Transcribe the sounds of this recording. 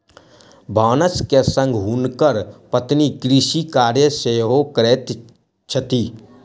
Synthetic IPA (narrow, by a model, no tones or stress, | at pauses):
bʱaːnəskesə̃ŋɡɦunkəɾpət̪nikɾiʃikaːɾjəseːɦokɾeːt̪ | t͡ʃʰət̪iː